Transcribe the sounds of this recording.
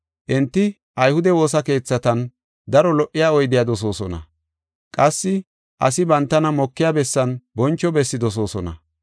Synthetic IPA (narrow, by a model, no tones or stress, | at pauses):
ʔɛnt̪ːɪ | ʔɐjhʊd̪ɛwo̞ːsɐke̞ːt͡sːɐt̪ɐn | d̪ɐɾɔlɔʔːɪjaːɔjd̪ɪjad̪ɔs̬o̞ːsɔnɐ̰ | kʼɐsːɪ | ʔɐ̰sɪbɐnt̪ːɐnɐmɔkːɪjabɛsːɐnbɔnt͡ʃːɔbɛsːɪd̪ɔs̬o̞ːsɔnɐ̰